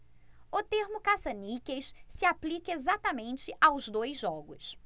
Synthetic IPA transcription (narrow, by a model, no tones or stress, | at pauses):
ʊt̪eɾmʊkasɐnikejʃsɪaplikɐezat̪amẽnt͡ʃɪʔawzd̪ojzʒɔɡʊ̰s